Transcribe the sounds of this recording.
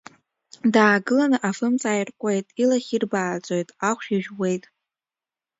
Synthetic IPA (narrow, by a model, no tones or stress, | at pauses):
daːɡɨlanɨʔafɨmt͡sʼaːjrkʷʼe̞jtʼilaχʲirbaːt͡sʷʼo̞jtʼaχʷʃiʒᶣwe̞jtʼ